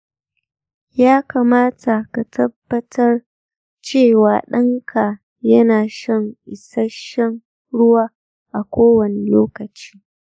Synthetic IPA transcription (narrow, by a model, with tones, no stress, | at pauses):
jaː˦kaː˨maː˦tʰa˨ka˨tʰɐ˦bːɐ˦tʰɐ˦r | t͡ʃeː˦˨waː˨ɗɐ˦ŋkʰa˨ | jɐ˦naː˨ʃɐ˦˨ŋʔɪ˨sa˦ʃɐ˦ŋ | ɽʊ˦waː˦ | ʔa˨kʷoː˦wɐ˨ne˨loː˦kɐ˨t͡ʃi̥ː˦